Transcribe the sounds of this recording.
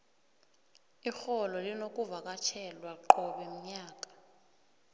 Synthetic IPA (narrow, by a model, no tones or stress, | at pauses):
ixɔlɔlinokʼuvak̬ʼat͡ʃʰɛlwaǃɔɓɛm̩ɲaːk̬ʼḁ